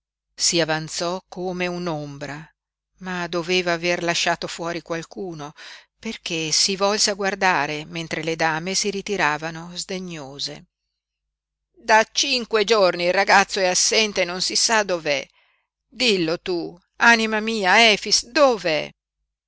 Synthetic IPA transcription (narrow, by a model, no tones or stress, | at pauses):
siavant̪sɔkʰːoːmeunombɾa | mad̪oveːvaːverlaʃːaːt̪ofwɔːɾikwalkuːno | perkesivɔlseaɡward̪aːɾement̪ɾeled̪aːmesiɾit̪iɾaːvanozd̪eɲːoːzḛ | d̪at͡ʃiŋkwed͡ʒornilrːaɡat̪sːoɛasːɛnt̪enonsisad̪ovɛ̰ | d̪ilːot̪u | animamiːaɛːfisd̪ovɛ̰